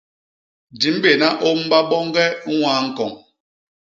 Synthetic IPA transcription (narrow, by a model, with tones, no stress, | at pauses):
di˨m˦be˨na˦ʔo˦m̩˦ba˦ɓɔ˦ŋ˦ɡɛ˦ŋ̩˦waː˦ŋ̩˦kɔ˨ŋ